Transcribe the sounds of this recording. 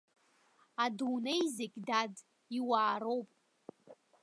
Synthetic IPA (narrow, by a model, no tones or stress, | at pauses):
adunejzekʲʼdad | iwaːɾo̞wpʼ